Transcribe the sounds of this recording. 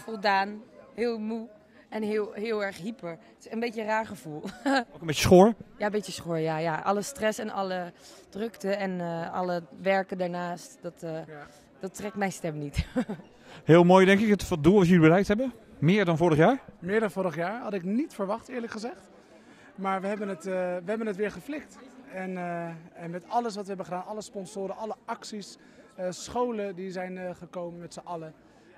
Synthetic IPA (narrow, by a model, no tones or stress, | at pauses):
fɔlˠdaːnhɪːlˠmu | ɛnɦɦɪːlˠɛɹχɦipə | ənbetəraːɹχəv̥ulˠokəmbejtə̥sχoːɹjambetjəsχoːɹjajaʔɑ̰ləstrɛsɛnɑ̰ləd̥røktəɛnɑ̰ləʋɛɹkəndaːɹnaːstdɔtː | d̥ɔtːrɛk̚mɛjnstɛmnit | hɪːlˠmoːjdɛŋkɪkətfɔdulˠʋɑtjəlibərɛjktɦɛbə | mɪːɹdɔnfʊːɹɾəχjaːɹmɪːɹdɑnvʊːɾəχjaːɹɦɑdɪknitfəɹʋɑχtɪːɹləkχəzɛχt | maːɹʋəɦɛbənətʋəɦɛbənətʋɪːɹχəflɪktɛnɛnmɛtɑləsʋɑtʋəɦɛbənχədaːnɑləspɔnsʊːɾənɑləɑksis | əsχowləndizɛjnχəkowmənmɛtsəʔɑlə